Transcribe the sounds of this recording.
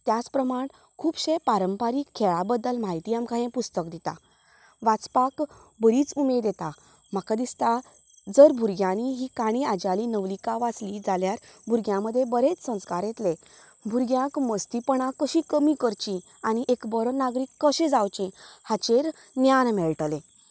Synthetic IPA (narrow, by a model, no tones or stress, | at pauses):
t̪jat͡spɾəmaɳ | kʰuːbɕẽpaɾəmpaɾiːkʰːeɭabəd̪ːəlmaɦit̪iːamkajẽpust̪əkd̪it̪a̰ | ʋat͡spakbəɾiːt͡sumeɾd̪et̪a | m̤akad̪ist̪a | d͡zəɾbʱuɾɡjãñiɦikaɽ̃ĩad͡ʑalinəʋlikaʋat͡slid͡zaljaɾbʱuɾɡjãməd̪ʱːjebəɾet͡ssə̃w̃skaɾjet̪le | bʱuɾɡjãkməst̪ipəɳ̃akəɕĩkəmikəɾt͡ɕĩ | añiʔekbəɾnaɡɾiːkːəɕẽd͡zawt͡ɕĩhat͡ɕeɾ | njanmɛɭʈlẽ